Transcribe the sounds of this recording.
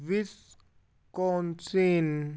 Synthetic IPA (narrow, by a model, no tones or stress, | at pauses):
vis | kɔnt͡sin